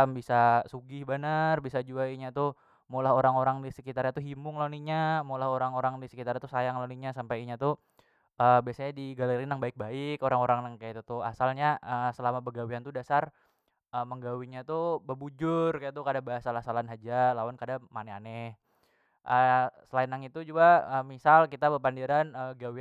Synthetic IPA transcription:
mbisasuɡɪhbənərbisad͡ʒuaiɲat̪ʊ | molaɦoɾaŋoɾaŋdisəkit̪aɾjat̪uɦimʊŋloniɲamolaɦoɾaŋoɾaŋdisə̥kit̪aɾjat̪usajaŋloniɲasampajiɲat̪ʊ | ʔəːbiasaɲadiɡaleɾinaŋbaɪk̚baɪkoɾaŋoɾaŋnaŋkajait̪ut̪ʊa̰salɲaəsəlamapərɡawiant̪udasar | əːməŋɡawiɲat̪ubəbud͡ʒʊrkajat̪ukadabaɦasalasalanɦad͡ʒalawankadamanɛa̰nɛh | ʔəsəlaɪnaŋit̪ud͡ʒuɡaəmisalkit̪abəpandiɾanəɡawi

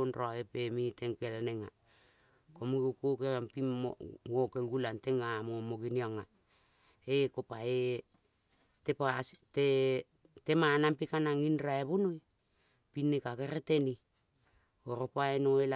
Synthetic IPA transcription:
onroaepemiteŋkelaneŋa | komuɡokokeɾampimowokelɡulanteŋamomoɡiniaŋa | ekopae | tepaste | temanampikanaŋinɾaeβunoj | pinːekakeɾeteni | oɾopaenoela

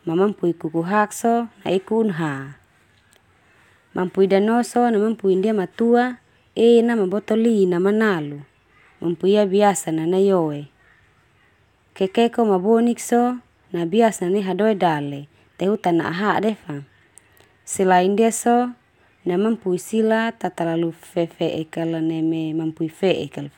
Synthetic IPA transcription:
mamampuikukuɦaksɔna̰ikuːnɦa | mʔampuidanɔsɔnamampuindiamat̪ua | enamabɔt̪ɔlinamanalu | mampuiabiasananajoe | kekekomabonik̚so | nabiasaniɦadoedale | t̪eɦut̪ana̰ʔa̰ɦadefa | sɛlaindiaso | namampuisilat̪at̪alalufɛfɛʔekalanememampuifeʔɛkal

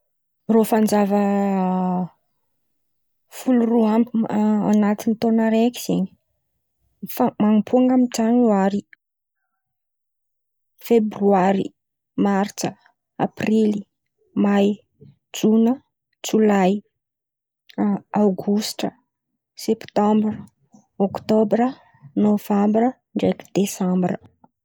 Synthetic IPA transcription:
rofand͡ʒavə | fuluruampa̰nat̪init̪onəɾeki̥z̥eɲi̥ | famaŋipʰuaŋɡamiʈ͡ʂanuaɾi | febryaɾḭ | mart͡ʃə | aprili | maj | d͡ʒunə | t͡sulaj | awɡusʈ͡ʂə | sept̪ãmbr | okt̪obɾə | novambɾə | ɳɖ͡ʐeki̥d̪̥esãmbrə

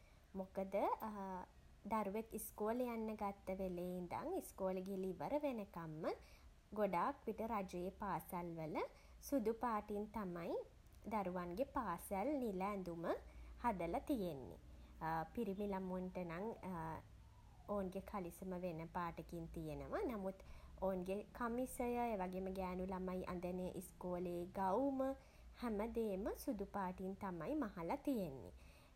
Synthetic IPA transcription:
mokəd̪ə | d̪aɾuʋekiskoːljanːəɡat̪ːəʋelejind̪a̰ŋiskoːlɡeliʋəɾəʋenəkamːə | ɡoɖaːkʋiʈəɾad͡ʒɐjepaːsalʋələ | sud̪upaːʈint̪amaj | d̪aɾuʋaŋɡepaːsalnilæːnd̪uməhad̪əlat̪ijenːḭ | piɾimilamunʈənaŋ | oːnɡekʰalisəməʋenəpaːʈəkint̪ijenəʋanamut̪oːnɡekʰamisəjəeːʋaɡeməɡæːnulamajʔa̰nd̪əneʔiskoːleːɡawmə | hæməd̪eːməsud̪upaːʈint̪amajmaɦalat̪ijenːḭ

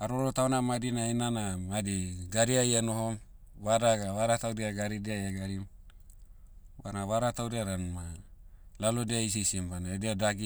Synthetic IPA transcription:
aɾoɾotaonamadinainanamadiɡaɾiajanoɦom | βaɾaɡaβaɾatawɾiaɡaɾidiajaɡaɾim | βanaβaɾatawɾiaɾanma | lalodeais̬isimbanaedeadaɡi

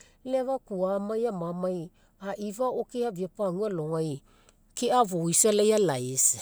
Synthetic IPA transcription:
levakuamajamamaj | aʔivaokiaviapaŋualoŋaj | keaβoisalejalajs

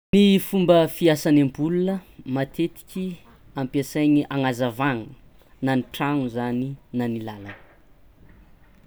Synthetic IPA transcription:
nifumbəfiasanambulunəmat̪ʰet̪i̥kʲi | ampiasajɲiʔaŋazavaŋu | naniʈ͡ʂaŋuzaninanilalan

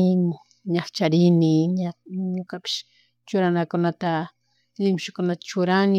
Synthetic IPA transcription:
ɲaχt͡ʃaɾɪnɪɲaɲokapɪ̥ʃ | t͡ʃʊɾanakʊnat̪a | lɪmʃʊkʊnat̪ḁt͡ʃʊɾanɪ

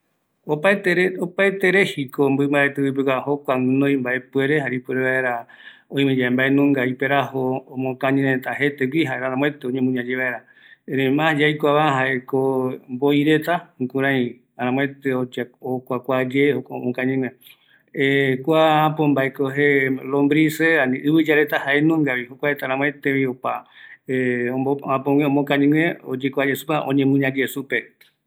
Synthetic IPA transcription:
opat̪eɾopaet̪eɾehikombɨmbaet̪ewip̬ekʷaɦokʷaɨ̃nõj̃mbaepue̞ɾeɦaɾipweɾeβaeɾaõj̃mẽd͡ʒaẽmbaenũŋɡaipeɾahoːmõkãɲĩɾet̪aɦe̞t̪eɡʷiɦaeɾaɾãmw̃et̪eoɲẽmũɲãd͡ʒeβaeɾa | eɾẽjmãd͡ʒajkʷaβaɦaekomboiɾe̞t̪akũɾãĩ | aɾãmw̃ẽt̪eod͡ʒokʷakʷad͡ʒehoko̰mõkãɲĩŋẽ | ekʷaapombaekoɦelõmbɾiseanĩʔɨβɨd͡ʒaɾet̪ahaʔenũŋɡaβihokʷaet̪aɾãmw̃et̪ẽβĩopaeõoãpõwẽomõkãɲĩŋẽod͡ʒekʷad͡ʒesupaʔõɲẽmũɲãd͡ʒesupe

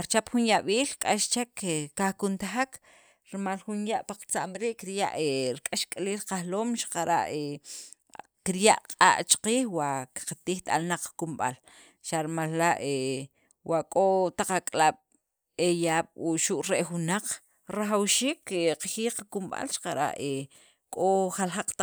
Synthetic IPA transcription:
ɾt͡ʃapxunjaɓiːlkʼaʃt͡ʃekeːahkunt̪axak | ɾmalxunjaʔpaqt͡saʔmɾiʔkiɾja̰ʔeɾkʼaʃkʼaliːlqaxloːmʃḁqaɾa̰ʔe | kiɾjaʔqʼa̰ʔt͡ʃḁqiːxwaʔki̥qat̪iːxt̪ʼa̰lnaq͡χkumɓa̰l | ʃaʔɾmalːaʔe | waʔkʼot̪aq͡χakʼlaɓ̥ | ejaːɓ̥uʃuʔɾeʔxunaq͡χ | ɾaxawʃiːkeqaxiːqakumɓa̰lʃḁqaɾa̰ʔe | kʼoχalxaq͡χt̪a

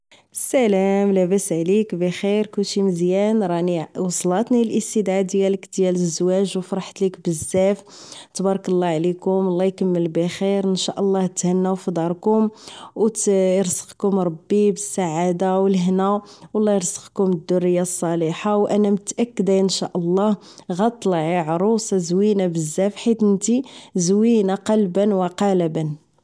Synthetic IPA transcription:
sælæmlæbæsʕlikbæxiɾkulʃiməzjænɾˤɑniwɑsˤlɑt̪nilʔəst̪əd̪ʕad̪jæləkd̪jæləzːwæʒwfɾˤɑħt̪likbəzːæf | t̪bɑɾˤɑkəlˤːɑʕlikʊmwɑlˤːɑjkəmːəlbæxiɾənʃaʔəlˤːɑht̪hænːæwfid̪ˤɑɾˤkʊmwt̪əɾsə̥qkʊmɾˤɑbːibəsːaʕad̪awəlɦnæwɑlˤːɑjɾsːə̥qkʊməd̪ːʊrːəjːasˤːɑliħawʔænæmət̪ʔækːəd̪æənʃæʔəlˤːɑh | ɣɑt̪ˤːlʕiʕɾˤuszwinabəzːæfħit̪ənt̪izwinaqɑlbənwəqɑləbən

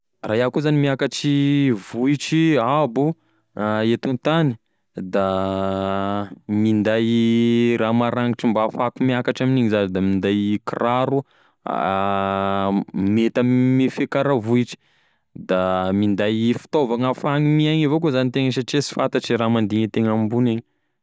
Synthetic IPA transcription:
raɦakuzanimiakaʈ͡ʂivuiʈ͡ʂiabu | et̪unt̪ani̥ | d̪a | mind̪ajramaɾaŋiʈ͡ʂimbafakumiakaʈ͡ʂaminiɲizazd̪amind̪ajkiraɾu | met̪ammifekaɾavuiʈ͡ʂi̥ | d̪amind̪ajfi̥t̪ovaŋafaŋimiaɲivokozanit̪eŋəʃ̬aʈ͡ʂesi̥fant̪aʈ͡ʂiɾamand̪iŋət̪eŋambuneɲi

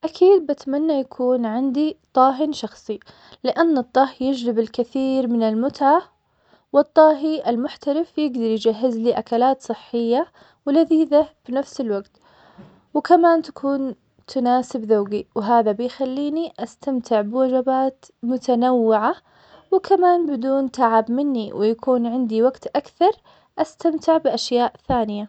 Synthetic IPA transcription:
ʔakʰiːd̪̚bat̪manːajakʰuːnʕɪnd̪it̪ˤɑːɦɪnʃɑxsˤi | lɪʔanːɨt̪ˤːɑhjɪd͡ʒɾɪbɪlkɪθiːɾmɪnɪlmʊt̪ʕa | wɨt̪ˤːɑːɦiʔalmʊħt̪aɾɪfjɪɡd̪ɑɾˤjɪd͡ʒaɦːɪzliʔakalaːt̪sˤɨħːɪjːa | wɪlaðiːðafinafsɪlwaɡt̪ | wɪkamaːnt̪ḁkʰuːn | t̪ʰʊnaːsɪbðaːɡiwɪɦaːðabɪjxalːiːniʔast̪amt̪ɪʕbɪwad͡ʒabaːt̪ | mʊt̪anawːɪʕa | wɪkʰamaːnbɪd̪uːnt̪aʕabmɪnːiwɪjakʰuːnʕɪnd̪iwaɡt̪ʔakθɑɾˤ | ʔast̪amt̪ɪʕbɪʔaʃjaːʔθaːnɪja

